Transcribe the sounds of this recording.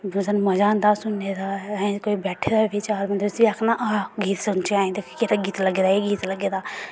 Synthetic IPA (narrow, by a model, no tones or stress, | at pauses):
bəzənməd͡ʒãːnd̪aːsʊnːed̪aːɛ̃koːiːbɛːʈʰeːd̪aːbɪt͡ʃaːɾmənd̪ɾsbiːəkʰnaːʔaːɡiːt̪sʊnt͡ʃeaːẽnd̪ekkeɾaɡiːt̪ləɡeːd̪aːeɡiːt̪ləɡeːd̪aː